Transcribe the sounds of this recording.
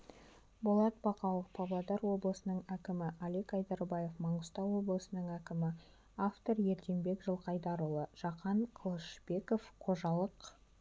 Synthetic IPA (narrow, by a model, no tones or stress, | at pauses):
bolˠɑt̪̚bɑqɑlˠəfpʰɑblˠɑd̪ɑɾwo̞blˠəsənəɴækʲɪmɪʔɑlekɑjd̪ɑɾbɑje̞fmɑɴəst̪ɑwwo̞blˠəsənəɴækʲɪmɪ | aft̪o̞ɾje̞ɾt̪e̞mbe̞kʒəlˠqʰɑjd̪ɑɾəlˠəʒ̥ɑqɑɴqʰəlˠəʃbe̞ko̞fqʰo̞ʒɑlˠəq